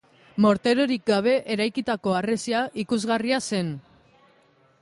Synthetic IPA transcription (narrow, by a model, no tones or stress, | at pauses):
mo̞ɾt̪e̞ɾo̞ɾik̚ɡaβ̞e̞ʔeɾajkit̪ako̞aresiaʔikuzɣariase̞n